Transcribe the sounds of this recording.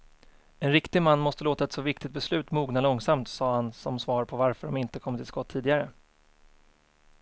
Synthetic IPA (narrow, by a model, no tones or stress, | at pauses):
ɛnɾɪkt̪ɪɡmanːmɔst̪əloːt̪aɛt̪sɔvɪk̚t̪ɪkt̪̚bɛslʉ̟ːt̪muːɡnalɔŋsamt̪sɑːhansɔmsvɑːɾpʰɔvaɾfœɖɔmɪnt̪əkʰɔmːət̪ʰɪlskɔt̪ʰːiːd̪ɪɡaɾə